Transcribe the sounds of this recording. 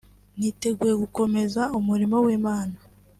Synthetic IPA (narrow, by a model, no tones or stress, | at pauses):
n̥iːte̞ɡuje̞ɡuko̞me̞zaumuɾimo̞wiːmaːna